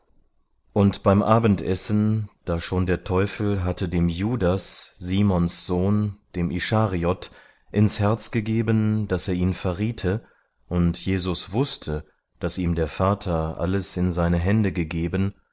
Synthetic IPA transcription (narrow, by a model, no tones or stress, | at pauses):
ʔʊntb̥aɪmʔaːbn̩tʔɛsn̩d̥aːʃoːndeːɐtʰɔʏfl̩ɦatʰədeːmjuːdasz̥iːmɔnsz̥oːnd̥eːmʔiʃaːʁiɔt | ʔɪnshɛɐt͡sɡ̥əɡeːbənd̥aseːɐiːnfɛɐʁiːtʰə | ʔʊntʰjeːzʊsv̥ʊstʰə | d̥asiːmdeːɐfaːtʰɐʔa̰ləsɪnzaɪnəɦɛndəɡəɡeːbən